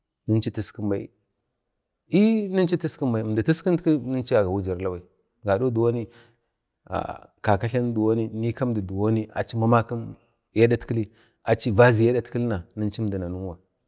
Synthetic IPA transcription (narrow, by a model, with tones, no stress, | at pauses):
nə˦nt͡ʃi˦ti˦ski˦mba˨ḭ˨ | i˦ni˦nt͡ʃi˦ti˦ski˦mba˨i˨da˨ti˦ski˦ntki˦nə˦nt͡ʃi˦a˨ɡa˨wu˦d͡ʒa˨ɾla˦wa˨i˨ | ɡa˨do˦du˨wo˦ni˦ | a̰˨ka˨ka˦ɬa˦n˦du˨wo˦ni˦ni˦ka˦mdi˨du˨wo˦ni˦a̰˨t͡ʃi˦ma˦ma˦ki˦m | ja˦da˦tki˦li˦ | a˨t͡ʃi˦va˦zi˨ja˦da˦tki˦lna˨nə˦nt͡ʃi˦˨di˨na˨nu˦n˦wa˨